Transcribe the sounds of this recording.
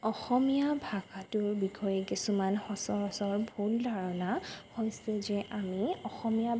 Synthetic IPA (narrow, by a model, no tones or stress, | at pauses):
ɔxɔmijabʱaɡatʊɹbikʰɔjɛkisumanhɔsɔɹɔsɔɹbʱuldʱaɹɔnahojsɛzɛʔamiɔxɔmija